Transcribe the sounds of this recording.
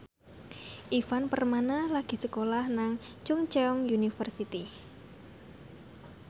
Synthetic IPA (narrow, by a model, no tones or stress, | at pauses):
ʔifanpərmanalaɡ̥i̤səkolahnaŋ | t͡ʃuŋt͡ʃɛɔŋjunifərsit̪i